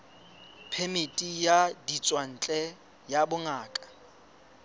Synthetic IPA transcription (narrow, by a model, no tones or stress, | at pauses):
pʰemɪtʼijadit͡sʼwan̩t͡ɬʼɛ | jabʊŋaːkʼḁ